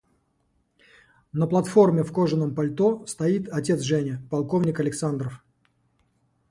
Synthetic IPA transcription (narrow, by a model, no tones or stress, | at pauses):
nəplˠɐt̪fo̞rmʲɪfkoʐɨnəmpɐlʲt̪ost̪ɐit̪ɐtʲet̪sʐɛnʲɪpɐlˠkovnʲɪkɐlʲɪksand̪ɾəf